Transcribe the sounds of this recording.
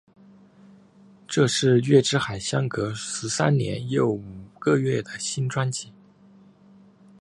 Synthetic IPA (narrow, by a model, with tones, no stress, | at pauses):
ʈ͡ʂɤ˥˧ʂɻ̩˥˧ɥɛ˥˩ʈ͡ʂɻ̩˥xa˨˩ɪɕjɑ˥ŋkɤ˧˥ʂɻ̩˧˥sa˥nnjɛ̰˧˥njo˥˩ʊu˨˩ɡə˥˧ɥɛ˥˩d̪ə˩ɕi˥nʈ͡ʂwa˥nt͡ɕi˨˩˦